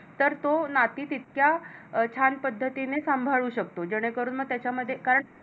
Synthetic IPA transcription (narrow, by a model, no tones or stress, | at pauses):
t̪əɾt̪onat̪iːt̪it̪̚kjat͡ɕʰanpəd̪ʱːət̪inesambʱaɭuːɕək̚t̪od͡ʑeɽ̃ekəɾuːnməɡ̚t̪jat͡ɕaməd̪ʱːjekaɾəɳ